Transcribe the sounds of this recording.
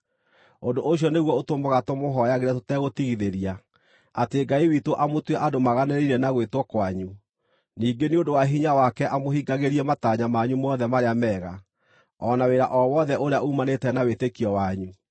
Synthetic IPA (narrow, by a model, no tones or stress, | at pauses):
ondoʔoɕ̬jɔneɣwɔotomoɣatomoɦɔjaɣeɾɛtotɛɣotiɣiðeɾia | ateɡaiwitoʔamotwɛʔadomaɣaneɾiɾɛnaɣwetwɔkwaɲu | niːɡeneondowaɦiɲawakɛʔamoɦiɡaɣeɾiɛmataɲamaɲumɔːðɛmaɾeamɛːɣa | ɔnaweɾaʔɔwɔðɛʔoɾeaʔumanetɛnawetekiɔwaɲu